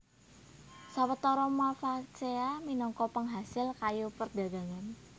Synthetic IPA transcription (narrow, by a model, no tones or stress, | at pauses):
sawət̪ɔɾɔmafakt͡ʃeaminɔŋkɔpəŋɦasɪlkajupərd̥a̤ɡa̤ŋan